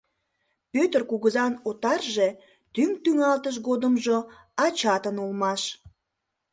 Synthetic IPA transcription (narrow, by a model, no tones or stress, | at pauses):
pøt̪ərkuɣəzɑnot̪ɑrʒe̽ | t̪ymt̪yŋɑlt̪əʃ̬ɣod̪əmʒo | ɑt͡ɕɑt̪ənulmɑʃ